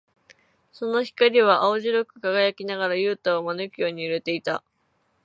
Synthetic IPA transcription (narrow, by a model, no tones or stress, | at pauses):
so̞no̞çi̥kaɾʲiβ̞aʔaoʑiɾokɯ̟̥kaɡajakʲinaɡaɾajɯːt̪aomanɯkʲo̞ːɲ̟iɯ̟ɾe̞t̪e̞it̪a̰